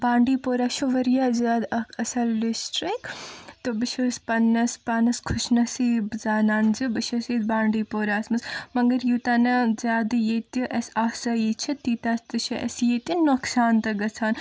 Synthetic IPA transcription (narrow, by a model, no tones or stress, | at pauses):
baːɳɖiːpoːɾaːʃʰuʋɐɾjaːzjaːd̪ɐkʰɐsɐlːisʈɾikt̪obɨʃɐspɐnːɐspaːnɐskʰʊʃnɐsiːbzaːnaːnzibɨʃɐsiːt̪baːɳɖiːpoːɾaːsmɐsmɐŋɡɐɾjuːt̪aːnɐzjaːd̪ɨjeːt̪iʔɐsaːsɐjit͡ʃʰɐt̪iːt̪aːst̪ɨt͡ʃʰiʔɐ̰sjeːt̪inoksaːnt̪ɐɡɐt͡sʰaːn